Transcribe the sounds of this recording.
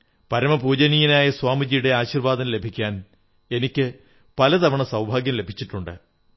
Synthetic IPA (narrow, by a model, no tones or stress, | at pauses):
pɐɾɐmɐbuːd͡ʑɐnijinaːjɐswaːmid͡ʑijuɽe̞aːɕiːrʋaːd̪ɐnle̞bʱikʲːaːn | e̞nikʲːɨ | pɐlɐt̪ɐʋɐɳɐsɐwbʱaːɡjɐmle̞bʱit͡ɕːiʈːuɳɖɨ̰